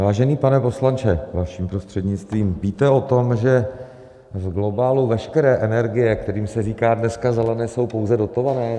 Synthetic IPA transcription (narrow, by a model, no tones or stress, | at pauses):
vaːʒɛniːpanɛpo̞slant͡ʃɛvaʃiːmpɾo̞st̪r̝̥ɛdɲɪt͡st̪viːmviːt̪ɛo̞t̪o̞mʒɛ | vɡlo̞baːluvɛʃkɛɾɛːʔɛnɛɾɡɪjɛk̚t̪ɛɾiːmsɛriːkaːdnɛskazɛlɛnɛːso̞wpo̞wzɛdo̞t̪o̞vanɛː